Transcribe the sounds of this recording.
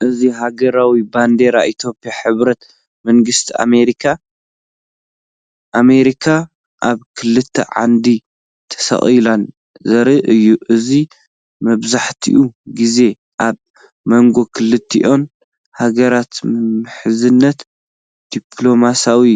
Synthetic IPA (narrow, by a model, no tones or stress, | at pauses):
ʔɨziɦaɡɐɾawiband̪e̞ɾaʔit̪ʰjo̞pijaħɨβɾɐt̪ | mɐŋɡɨst̪ʰia̰meɾikʰa | ʔame̞ɾikʰa | ʔaβkʰɨlɨt̪ʰːɐ̰ʕa̰nd̪i | t̪ʰɐ̥sɐ̰χʼilan | zɐɾɨʔɨjːuʔɨzi | mɐβzaħt̪ʰḭʔuɡize̞ | ʔaβ | mɐŋɡo̞kʰɨlɨt̪ʰːḭʔo̞n | haɡɐɾat̪mɨmɨħɨzɨnːɐt̪ | d̪̥ipʰlo̞masawi